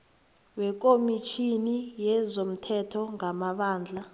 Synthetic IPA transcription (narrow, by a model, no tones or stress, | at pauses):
wɛk̬ʼomit͡ʃʰinijɛzom̩tʰɛtʰɔŋamaɓaːnd͡ɮʱa